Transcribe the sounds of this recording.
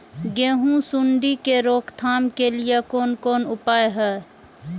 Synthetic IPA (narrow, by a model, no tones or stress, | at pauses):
ɡẽːɦũsʊɳɖikeɾoːkʰt̪ʰaːmkelijekoːnkoːnʊpaːeɦɛː